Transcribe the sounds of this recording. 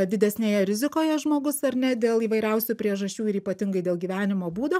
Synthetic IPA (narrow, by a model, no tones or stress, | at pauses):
d̪ʲɪd̪ʲɛsʲnʲeːjɛɾʲɪzʲɪkoːjɛʒmoːɡʊsɐɾnʲɛd̪ʲeːlˠiːʋɐɪɾʲɛʊsʲupʲɾʲiɛʒɐʃʲt͡ʃʲuːɪɾiːpɐt̪ʲɪŋɡɐɪd̪ʲeːlˠɡʲiːʋʲæːnʲɪmoːbuːd̪oː